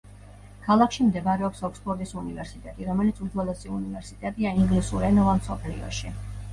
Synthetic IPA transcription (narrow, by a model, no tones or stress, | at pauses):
kʰalˠakʰʃimd̪ɛvaɾɛɔpsɔkspʰʼɔɾd̪ʼisunivɛɾsit̪ʼɛt̪ʼiɾɔmɛlit̪sʰud̪zwɛlɛsʼiunivɛɾsit̪ʼɛt̪ʼiaiŋɡlisuɾɛnɔvamsɔpʰlḭɔ̰ʃi